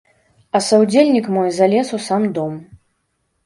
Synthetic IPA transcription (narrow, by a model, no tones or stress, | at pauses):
ɐsɐwd͡zʲelʲnʲikmɔjzalʲɛsusamd̪ɔm